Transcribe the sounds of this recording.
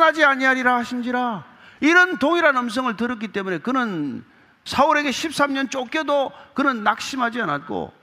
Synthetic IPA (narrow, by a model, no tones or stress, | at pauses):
nad͡ʑiaɲiaɾiɾaɕʰimd͡ʑiɾa | iɾʌntoŋiɾanʌms̬ʰʌŋɯɭtɯɾɯk͈it͈e̞mune̞kɯnɯn | sʰʌɯɾe̞ɡe̞ɕʰip̚s͈amɲʌnt͡ɕ͈ok͈edokɯnɯnːak̚ɕ͈imɦad͡ʑianat̚k͈o̰